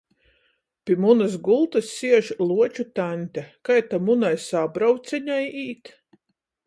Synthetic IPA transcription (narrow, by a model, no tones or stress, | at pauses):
pʲimunas̬ɡulˠt̪ɨsːiɛʒlˠuɔt͡ʃut̪anʲt̪ʲakajt̪amunajsabɾawt̪sʲɛɲajiːt̪